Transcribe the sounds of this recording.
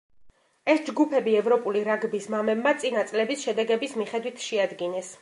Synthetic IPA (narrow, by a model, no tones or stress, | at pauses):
ɛsd͡ʒɡupʰɛbiɛvɾɔpʼuliɾaɡbismamɛbmat̪sʼinat̪sʼlɛbisʃɛd̪ɛɡɛbismiχɛd̪wit̪ʰʃɛad̪ɡinɛs